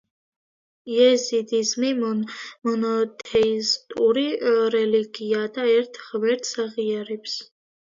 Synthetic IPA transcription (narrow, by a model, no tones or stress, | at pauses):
jɛzid̪izmimmɔnɔt̪ʰejst̪ʼuɾirɛliɡijad̪aɛrt̪ʰχəwɛrt̪ʰsaʁijaɾipʰs